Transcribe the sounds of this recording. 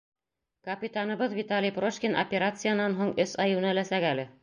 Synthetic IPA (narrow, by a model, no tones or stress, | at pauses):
kɐpʲit̪anɤ̆βɤðvʲit̪alʲijproʃkʲinʔo̰pʲeɾat̪sɨjanːɑnɦuɴɵsɑjunælæsækælɘ